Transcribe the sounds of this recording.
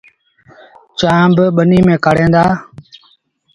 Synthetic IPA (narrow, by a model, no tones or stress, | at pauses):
t͡ʃaːmbɓəniːmẽːkaːɽẽːnd̪aː